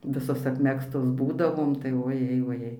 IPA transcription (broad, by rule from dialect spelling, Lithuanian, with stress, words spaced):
ˈʋʲɪsoːs ɐpʲˈmʲæːkstoːs ˈbuːdɐʋoːm tɐɪ oːˈjɛɪ ʋoːˈjɛɪ